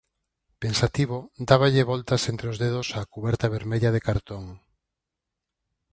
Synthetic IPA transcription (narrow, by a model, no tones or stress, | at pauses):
pensat̪iβod̪aβaʎeβɔlt̪ɐsent̪ɾeozðeðosaːkuβɛɾt̪aβeɾmeʎaðekaɾt̪oŋ